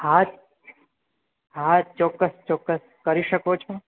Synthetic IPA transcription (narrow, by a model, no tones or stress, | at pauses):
ha | ɦat͡ʃɔkːəst͡ʃɔkːəs | kəɾiʃəkot͡ʃʰo